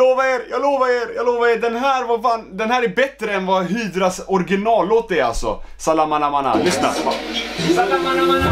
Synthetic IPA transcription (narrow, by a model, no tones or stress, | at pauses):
oːvaɾeːɾjɑːɡloːvaɾeːɾjɑːɡloːvaɾeːɖɛnɦæːɾvafaːnd̪ɛnhæːɾɛbɛt̪ːɾəɛnvɑɦyːd̪ɾasɔɾɡɪnɑːloːt̪̚d̪ɛɾa̰lsɔ̰salamanamana̰lʏsna̰ɾ